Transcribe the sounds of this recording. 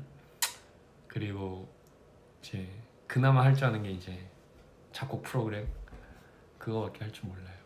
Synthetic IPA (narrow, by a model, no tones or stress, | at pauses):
kɯɾiɡo | id͡ʑe̞ | kɯnamaɦaɭt͡ɕ͈ʰuanɯnɡe̞id͡ʑe̞ | t͡ɕak͈opʰɯɾoɡɯɾem | kɯɡʌwat̚k͈e̞ɦaɭt͡ɕ͈imoɭːajo